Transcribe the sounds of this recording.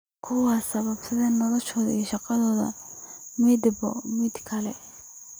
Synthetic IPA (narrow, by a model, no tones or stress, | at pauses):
kʰʊwɑːsɐβɐbsɐðɛnːɐlɔʃɔːð̰iʃɑqɑðɔːðɐ̰mɛd̪bɔ̰mɪd̪kʰɐlɛ